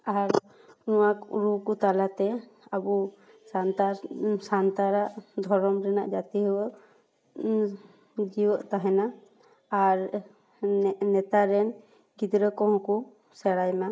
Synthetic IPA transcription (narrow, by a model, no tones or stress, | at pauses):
aɾ | nɔwakṵɾukut̪alat̪ɛabu | sant̪asant̪aɾaʔd̪ʱɔɾɔmɾɛna̰ʔd͡ʒat̪iɦuwəʔ | d͡ʒiwəʔt̪aɦɛnaː | ɾ | nːɛt̪aɾɛn | ɡid̪ɾəkɔɦɔ̃ku | sɛɽajma